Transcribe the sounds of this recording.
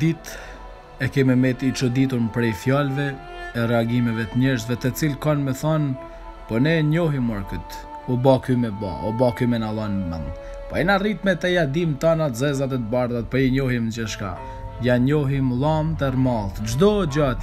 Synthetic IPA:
d̪it̪ | ɛkɛmɛmɛt̪it͡ʃɔd̪it̪uɾnpɾɛjfjalvɛ | ɛrɛaɡimɛvɛt̪əɲɛɾʃt̪vɛt̪ət͡silkanmɛθɔn | pɔnɛɲɔɦimɔɾkət̪ | ubakymɛba̰ɔbakymɛnalˠanɛmə̰n | pɔɛnarit̪mɛt̪ɛjad̪imt̪anat̪zɛzat̪̬ɛt̪əbaɾðat̪̚pɔiɲɔɦimd͡ʒəʃka̰ | jaɲɔɦimlˠamt̪ɛrmalˠt̪d͡ʒd̪ɔd͡ʑat̪

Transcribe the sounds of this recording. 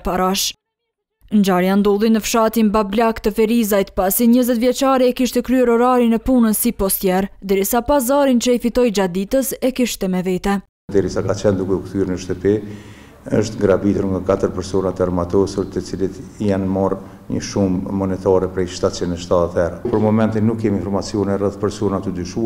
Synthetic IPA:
paɾaʃ | nd͡ʑaɾjand̪ɔlˠinəfʃat̪inbablakt̪əfɛɾizajt̪pasiɲəzɛt̪vjɛt͡ʃaɾiɛkiʃt̪ɛkɾyɛɾɔɾaɾinɛpunənsipɔst̪jɛɾd̪ɛɾisapazaɾint͡ʃəifit̪ɔjd͡ʒad̪it̪əsɛkiʃt̪ɛmɛvɛt̪ɛ | d̪ɛɾisakat͡ʃɛnd̪ukɛukθyɾnəʃt̪əpi | əʃt̪ɡɾabit̪uɾŋɡakat̪əɾpɛɾsɔnat̪əaɾmat̪ɔsuɾt̪ət͡silit̪janmɔr | ɲə̰ʃumːɔnɛt̪aɾɛpɾɛjʃt̪at̪t͡ʃind̪ʃt̪at̪at̪ɛɾapəɾmɔmɛnt̪inːukːɛminfɔɾmat͡siɔnɛrɛθpɛɾsɔnat̪əd̪yʃu

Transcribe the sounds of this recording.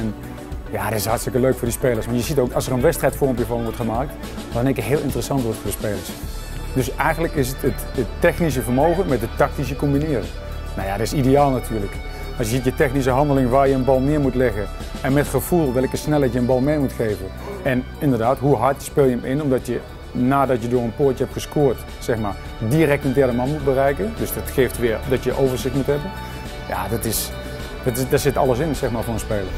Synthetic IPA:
ɛn | jadɪsɦɑɹtstɪkəløɥkfʊːɹdəspejləsʋɑnjəzitowkɑlˠsərənʋɛstrɛjtfɔɹmpjəvɑnʋɔɹtχəmaːk̚t | d̥ɑnɪkətɦɪːlˠɪntərəsɑntʋɔɹtfʊːɹdəspejləɹs | dɵsɛjɣənləkɪsətət | ətːɛχnis̬əvəɹmowɣənmɛt̚dətɑk̚tis̬əkɔmbinɪːrə̰ | nawja̰dtɪsidejaːlˠnatʰyːɹlək | ɑlˠsjəzitjətɛxnis̬əɦɑndəlɪŋʋaːɹjəənbɑlˠmɪːɹmutlɪɣən | ɛnmɛtxəv̥ulˠʋɪlˠəkəsnɛlˠɛtjəənbɑlˠmɪːmutxeːvən | ɛn | ɪndərdaːtɦuɦɑɹtspɪːlˠjəəmɪnɔmdɔtjə | naːdɔtjədʊːrənpʊːtjəɦɛptxəskoːɹt | sɛxmaːɹ | diəɾɛktəndɛɹdəmɑnmut̚bərɛjkəndøsdɔtxeːftʋɪəɹdɔtjəʔowvəɹzɪxtmutɦɛbən | ja̰dɔtɪs | dɑtdɔsɪtɑ̰lˠəs̬ɪnsɛxmaːɹvʊːɹənspeːlˠər

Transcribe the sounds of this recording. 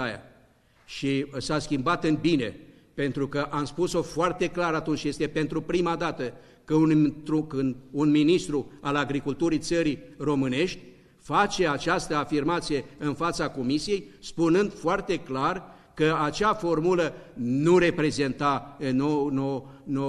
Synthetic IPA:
aja̰ | ʃisaskʲimbat̪ɨnbine̞ | pe̞nt̪ɾukəʔamspuso̞foart̪e̞klaɾat̪unt͡ʃje̞st̪e̞pe̞nt̪ɾupɾimad̪at̪ə | kəunt̪ɾukɨnd̪unminist̪ɾualaɡɾikult̪uɾit̪səɾiro̞mɨne̞ʃt̪ʲ | fat͡ʃe̞at͡ʃast̪əafirmat̪sije̞ɨnfat̪sako̞misije̞jspunɨnd̪foart̪e̞klar | kəat͡ʃafo̞rmulənuɾe̞pɾe̞ze̞nt̪anonono

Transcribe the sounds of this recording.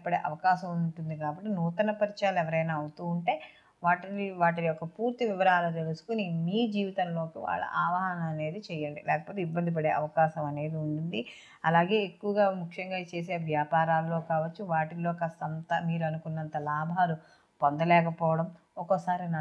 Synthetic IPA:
pɐɽeːʔɐʋɐkaːʃɐmuɳʈund̪ikaːbɐʈːinuːt̪ɐnɐpɐɾit͡ʃaːlɛʋɐɾɐjnaːɐwut̪uːuɳʈe̞ː | ʋaːʈiiʋaːʈiniɔkɐpuːɾt̪iʋiʋɐɾaːlut̪e̞lusu̥kunimiːd͡ʒiːʋit̪ɐnlo̞ːkiʋa̰ːɭːɐ̰ʔaːʋɐɦɐnɐmɐne̞ːd̪it͡ʃɛjːɐɳɖilɛːkɐpoːt̪̬eibːɐnd̪ip̬ɐɽe̞ːʔɐʋɐkaːʃɐmɐne̞ːd̪iuɳʈund̪i | ɐlaːɡe̞ːekːuʋɐɡaːmukʰʂjɐŋɡaːt͡ʃe̞ːs̬e̞ːʋjaːpaːɾaːlːo̞ːkaːʋɐt͡ʃːuʋaːʈilo̞ːkɐsɐnt̪ɐmiːɾuɐnukunːɐnt̪ɐlaːbʱaːɾu | pond̪ɐlɛːkɐpɔːʋɐɽɐm | ɔkɐsaːɾinɐ

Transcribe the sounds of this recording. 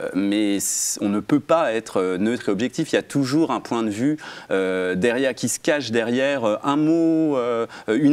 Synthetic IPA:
mɛsɔ̃nəpøpaɛt̪χønøt̪χeɔbʒɛk̚t̪ifiljat̪ʰuʒuʁɛ̃pwɛ̃d̪əvyød̪ɛʁjɛʁkʲisə̥kaʃd̪ɛʁjɛʁøʔɛ̃moøyn

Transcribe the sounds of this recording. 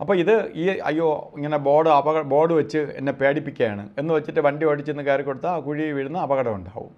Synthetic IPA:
ɐpːoːiðɨiːɐ̰jːoːiŋːɐne̞bo̞ːɽɨɐbɐɣɐbo̞ːɽɨʋɐt͡ɕːɨḛnːe̞pe̞ːɽipːikʲːɐjaːɳɨ̰e̞nːɨʋɐt͡ɕːiʈːɨʋɐɳɖioʈːit͡ɕːinːɨkaːɾɐkːoɽut̪ːaːkuɻiʋiɻunːɐɐbɐɣɐɽɐmuɳɖa̰ːʋṵm

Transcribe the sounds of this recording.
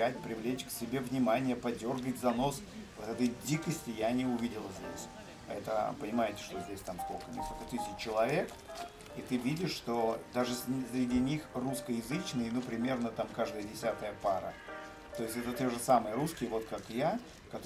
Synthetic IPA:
ætʲpɾʲɪvlʲet͡ɕksʲɪbʲe̞vnʲɪmanʲɪjəpɐdʲo̞rɡətʲzɐno̞s | vot̪ɛt̪əjdʲikəsʲtʲɪjanʲɪʊvʲidʲɪlˠəzʲdʲḛsʲ | ɛt̪əpənʲɪmaɪtʲɪ̥ʂt̪o̞zʲdʲesʲt̪amsko̰lʲkənʲɪ̰sok̪ət̪ɨsʲɪt͡ɕt͡ɕːɪlˠɐvʲe̞k | it̪ɨvʲidʲɪʂːt̪o̞d̪aʐɨssɾʲɪdʲinʲixruskəjɪzɨt͡ɕnɨjnupɾʲɪmʲe̞rnət̪amkaʐd̪əjədʲɪsʲat̪əjəpaɾə̰ | t̪o̞jɪsʲtʲɛt̪ət̪ʲoʐɨsaməjəɾuskʲɪjvo̞t̪kakja | kɐt̪

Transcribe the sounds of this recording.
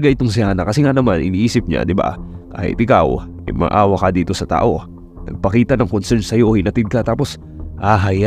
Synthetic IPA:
ɡaʔɪt̪oŋs̬ɪaːnɐkɐsɛŋanɐmanʔɪ̰niːʔiːsɪp̚ɲa̰d̪ɪba̰ka̰ːhɪ̰t̪̚ɪkaw | ɐ̰jmɐ̰ʔaːwɐkɐd̪iːt̪o̞sɐt̪a̰ːʔo̞ | nɐ̰ɡ̚pɐkiːt̪ɐnɐŋkonsɛnsɐjohinɐt̪ɪd̪̚kɐt̪aːpo̞s | ʔaɦɐja

